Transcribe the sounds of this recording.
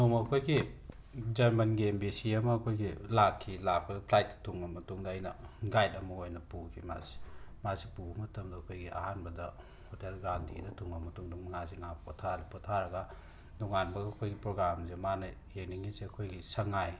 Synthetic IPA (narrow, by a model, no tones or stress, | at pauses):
nomɐkʰojɡi | d͡ʒɐɾmɐnɡiembisiɐmɐɐkʰojɡilakʰːilak̚bɐdɐpʰlajt̚dɐ̥tʰuŋɐmɐtuŋdɐɐjnɐ̰ɡajtɐmɐojnɐpukʰima̰zi̥mazipumɐtɐmdɐːkʰojɡiʔa̰hanbɐdɐ | hotelɡɾawntʰḭdɐtʰuŋɐmɐtuŋdɐŋmɐŋaziŋapʰotʰalpotʰaɾɐɡa | doŋanbɐɡɐːkʰojɡipɾoɡɾamzemanɐ | ekniŋizeɐkʰojɡisɐŋaj